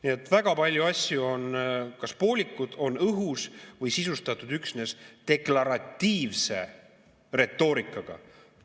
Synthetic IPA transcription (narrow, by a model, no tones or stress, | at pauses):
niet̪ːˑvæɡ̥ɑpɑlʲjuɑsʲjuo̞nkɑspo̞ːlʲikːˑud̪̥o̞nɤɦusvɤjsisust̪ɑt̪ːˑud̪̥yksne̞st̪e̞klɑɾɑt̪ːiːvse̞̰ | re̞t̪ːˑo̞ːɾikːˑɑɡ̥ɑ̰